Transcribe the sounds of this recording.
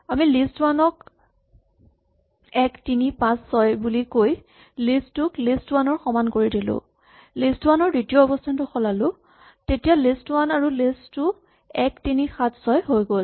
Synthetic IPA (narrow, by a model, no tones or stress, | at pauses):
amilistwanɔk | ɛktinipãsːɔjbulikoj | listːʊklistwanɔɹxɔmankoɹidilʊ̰̃ | listwanɔɹditiɔɔbɔstʰantʊxɔlalʊ̃ | tetijalistwanaɹulistːʊ | ɛktinixatʰsɔjɦojɡol